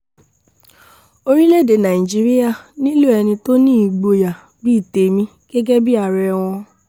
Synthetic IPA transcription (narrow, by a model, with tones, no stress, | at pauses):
o˧ɾi˦le˦˨de˨nã˨i˨d͡ʒi˦ɾi˦ja˦˨nĩ˦lu˦ɛ˧nĩ˧to˦nĩ˦i˨ɡ͡bo˧ja˨ | bi˦i˦˨te˨mĩ˧ | ɡ̥ɛ˦ɡɛ˦bi˦a˦˧˨ɾɛ˧w̃ɔ̃˧